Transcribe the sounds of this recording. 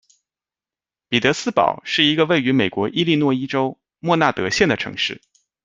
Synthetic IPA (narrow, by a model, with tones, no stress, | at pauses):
pi˨˩t̪ɤ˧˥sɹ̩˥pɑ̰˨˩˦ʊʂɻ̩˥˩i˧˥ɡə˧we˥˩ɪy˧˥me˨˩ɪkwɔ˧˥ʔi˥li˥˧nwɔ˥˩i˥ʈ͡ʂo˥ʊ | mwɔ˥˧na˥˩t̪ɤ˧˥ɕjɛ˥˩nd̪ə˩ʈ͡ʂʰɤ̰˧˥ŋʂɻ̩˥˩